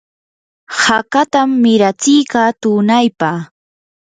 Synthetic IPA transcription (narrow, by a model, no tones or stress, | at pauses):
hakat̪amːɪɾat͡sɪjkɑːt̪ʊnajpaː